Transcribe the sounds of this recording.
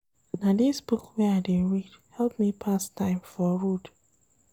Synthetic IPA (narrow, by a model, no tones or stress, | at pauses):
nadisbukwɛaɪdeɹidhɛlˠp̚mipʰastʰãɪ̃mfɔɹud